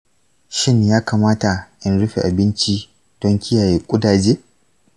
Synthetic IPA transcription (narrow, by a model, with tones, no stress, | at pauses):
ʃɪ˦ɲjaː˦kaː˨maː˦ta˨ʔɪ˦nɽʊ˦ɸḛ˨ʔa˨bɪ˦nt͡ʃi˦ | d̥ɔ˦ŋkʲɪ˦jaː˨jeː˦kʷʼʊ˦daː˨d͡ʒeː˦